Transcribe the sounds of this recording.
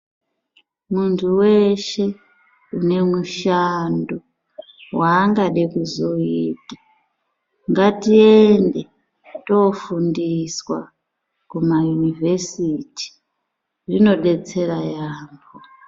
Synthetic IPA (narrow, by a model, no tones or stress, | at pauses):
muntʰuwe̞ʃe̞ | une̞muʃando | waːŋɡaɗekuzo̞itḁ | ŋɡatiende̞ | to̞fundiswa | kumajunive̞siti̥ | rino̞ɗe̞t͡se̞ɾajaːmbo